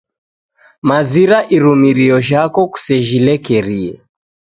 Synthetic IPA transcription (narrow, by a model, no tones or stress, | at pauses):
maziɾaʔiɾumiɾiɔʒakɔku̥sɛʒilɛkɛɾiɛ̰